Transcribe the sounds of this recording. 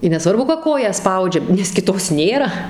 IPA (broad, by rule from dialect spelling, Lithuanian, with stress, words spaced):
ɪ nʲɛˈsʋɐrbʊ kɐ ˈkoːjæː ˈspɐʊd͡ʒʲɛ nʲɛs kʲɪˈtoːs ˈnʲeːrɐ